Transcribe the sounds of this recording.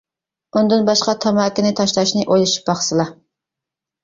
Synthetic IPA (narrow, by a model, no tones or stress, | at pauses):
und̪ɨnbɑʃqɑt̪ʰɑmɑːkʲɪnɪt̪ʰɑʃlˠɑʃnɪʔojlˠɨʃi̥p̚bɑχsɨlˠɑ